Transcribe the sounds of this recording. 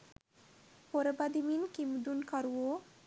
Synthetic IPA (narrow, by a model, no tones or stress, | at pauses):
poɾebad̪iminkimd̪unkaɾuo